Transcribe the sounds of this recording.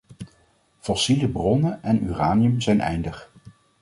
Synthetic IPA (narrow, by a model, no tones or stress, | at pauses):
fɔsiləbrɔnəʔɛny̰ːraːnijəmzɛjnʔɛ̰jndəχ